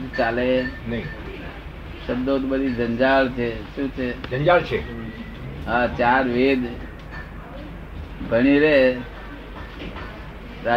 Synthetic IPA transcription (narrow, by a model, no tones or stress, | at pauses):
d̪t͡ʃalenəi | ʃəb̚d̪od̪bəd̪ʱid͡ʒəɲd͡ʒaɭt͡ʃʰeʃũt͡ʃʰed͡ʒəɲd͡ʒaɭt͡ʃʰe | ɦat͡ʃaɾʋed̪ | bʱəɽ̃iɾe | ɾa